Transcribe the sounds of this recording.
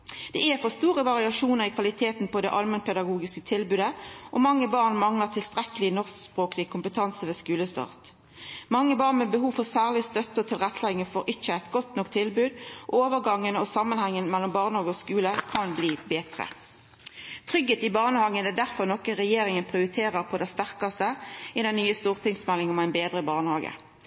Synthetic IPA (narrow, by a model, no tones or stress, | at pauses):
d̪̥ɛɛfɔʁst̪uːʁəʋɑʁɪɑʃuːnəʁɪkʰʋɑlɪt̪ʰeːt̪npɔd̪ɛʔɑlmənpʰɛd̪ɑɡuːɡɪskət̪ʰɪlbʉːd̪əʔɔmɑŋːəbɑːʁnmɑŋləʁt̪ʰɪlst̪ʁɛkəlɪnɔʁsspʁoːkəlɪkʰʊmpət̪ʰɑnsəʋeskʉːləst̪ɑ̰ːʁt̪ | mɑŋːəbɑːʁnmɛbəɦuːʋfɔʁsæːʁlɪst̪œt̪ːəɔt̪ʰɪlʁɛt̪ʰːlɛɪɡŋəfɔʁʔɪt͡ʃːəɛt̪ɡɔt̪nɔkt̪ʰːɪlbʉːd̪ʔoːʋəʁɡɑŋːənɔsɑmːənhɛŋːənmɛlːɔmbɑːʁnəhɑːɡəɔskʉːləkʰɑnbliːbeːt̪ʁə̰ | t̪ʰʁʏɡhəːt̪ɪbɑːʁnəhɑːɡənɛd̪æʁfɔʁnɔkəʁɛjeːʁɪŋənpʰʁɪʊɾɪt̪ʰeːʁəʁpʰɔd̪ɛst̪æʁkɑst̪əɪd̪ɛnːyːəst̪uːʁt̪ɪŋsmɛlːɪŋɔmæɪnbeːd̪ʁəbɑʁnəhɑːɡə̰